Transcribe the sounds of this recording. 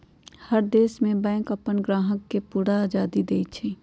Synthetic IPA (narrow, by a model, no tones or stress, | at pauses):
həɾd̪eːsmẽbɛ̃ːŋkəpənɡɾaːɦəkːepuːɾaaːd͡ʒaːd̪id̪eːit͡ʃʰi